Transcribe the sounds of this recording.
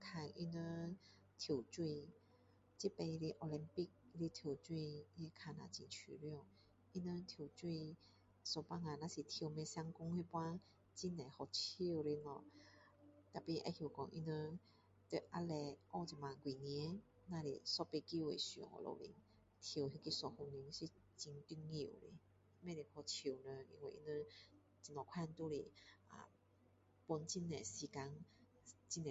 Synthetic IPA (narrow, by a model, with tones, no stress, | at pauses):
kʰa˧ŋʔḭ˧nə˧˦ | t̪ʰji˨˩t͡swi˥˧˨ | t͡ɕi˦pe˧i˧le˦ʔo˧li˧mpi˥˧˨k̚i˧le˧t̪ʰji˧˩t͡swi˥˧˨jɛ˧˦kʰa˧nã̰˨˩t͡ɕḭ̃˨˩t͡ɕʰy˨˧ljɔ˧˥˧ | ʔi˧nə˧t̪ʰjo˨˩wt͡ɕwi˥˧˨ | so˧˩pa˧˥ŋa˨nã˧si˨t̪ʰjwmɛ̃˧sja˧˦ŋkʊ˧˦ŋhi˥˧˨pwa˦ | t͡ɕi˦˧na˨˩hɔ˧˨t͡ɕʰi˧˥˧wɾe˧nɔ˧˨ | t̪a˨˩pi˧˩ʔa̰˧˦hji˨˩kɔ˧ŋʔḭ˧nə˧ | t̪e˧ʔa̰˧˥lɛ˧ʔɔ˧˨t͡ɕi˨˩mã˨˧kwi˨ni˧˦ | nã˧lḛ˨sɔ˥˧˨pe˧ki˧˨wḛ˨ɕṵ˧˨ŋɔ̰˧˨lo̰˧˨lḭ˧˦ŋ | t̪ʰːɦji˧ki˧˥sɔ˧ho˧ni˧˦ŋ˧ɕi˧ | t͡ɕi˧ŋt̪i˧˥nŋi˧˨ṵ˨ɾḛ˧˦˧ | mɛ̃˧˨le˨˩hɔ˧˩t͡ɕʰi˨˧˩wnə˧ḭ˧ŋwe˧˨ʔḭ˧nə˧ | t͡ɕi˧nɔ˨˩kʰa˥˧nt̪u˦lḛ˧˨ʔa̰˨ | pu˧nt͡ɕi˧˥nːɛ˨˩si˧ka˧˦ŋ | t͡ɕi˦˧nɛ˨